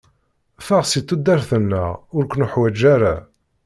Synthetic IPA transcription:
fæʁsit̪ːud̪ːæɾθənːə̰ʁʊɾkʷənuħwæd͡ʒːæɾæ̰

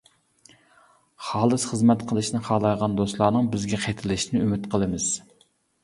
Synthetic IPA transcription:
χɑːlˠɨsχəzmɛt̪qʰəlˠɨʃnɨχɑːlˠɑjʁɑnd̪oslˠɑːnɨŋbɪzɡʲɛqʰet̪ʰɪlɪʃnɪymɪt̪qʰəlˠɨmɪz̥

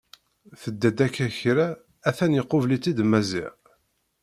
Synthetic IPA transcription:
θəd̪ːæd̪ækːæçɾaː | θænjəqːʊvlit͡sːid̪mæzḭʁ

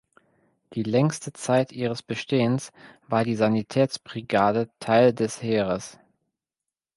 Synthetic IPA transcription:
d̥iːlɛŋstət͡saɪtʔiːʁ̞əsb̥əʃteːənsv̥aːɐdiːzanitʰɛːt͡sb̥ʁiɡaːdətʰaɪldɛsheːʁəs

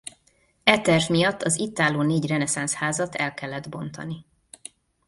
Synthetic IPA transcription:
ɛt̪ɛrvmijɒt̪ːɒzit̪ːaːloːneːɟrɛnɛsanshaːzɒt̪ʰɛlkɛlːɛd̪bo̞nt̪ɒ̰ni

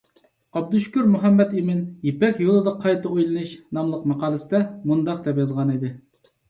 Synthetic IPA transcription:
ɑb̚d̪uʃkʲuɾmuɦɛmːɛt̪imɪnjepɛkʲjolˠɨd̪ɑqʰɑjt̪ɑojlˠɨnɨʃnɑmlˠəqmɑqɑːlˠɨsɪd̪ɛmund̪ɑq̚t̪ɛpjɑzʁɑnid̪ɪ

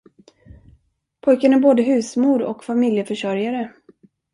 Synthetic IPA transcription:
pʰɔjkənæɾboːd̪əɦʉ̟ːsmuːɾɔ̰kfamɪljəfœʂœɾjaɾə

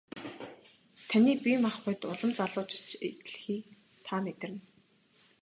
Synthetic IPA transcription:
t̪ʰaniːpʲimaχʊjt̪ʊɮə̆mt͡saɮʊːt͡ɕɪ̥̆t͡ɕet̪̆ɮxiː | t̪ʰamet̪ɪ̆rɘ̆n

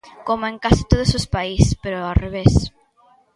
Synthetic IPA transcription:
komoẽŋkasi̥t̪oð̞osospaispeɾoareβes

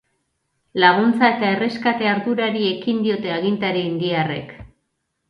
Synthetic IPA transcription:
laɣ̞unt͡sae̞t̪ae̞re̞skat̪e̞aɾðuɾaɾie̞kind̪io̞t̪e̞aɣ̞int̪aɾiːnd̪iare̞̰k

